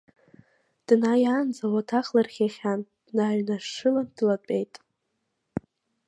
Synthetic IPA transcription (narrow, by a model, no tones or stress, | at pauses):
d̥najand͡zawatʰaχlarχʲaχʲand̥naɥnaʂɨlandlatʷʼejtʼ